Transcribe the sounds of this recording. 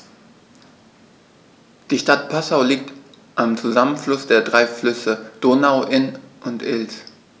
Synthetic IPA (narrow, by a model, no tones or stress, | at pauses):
d̥iːʃtat̚pʰasaʊliːk̚t | ʔamt͡suzamənflʊsd̥eːɐdʁaɪflʏsəd̥oːnaʊʔɪnʔʊntʔɪls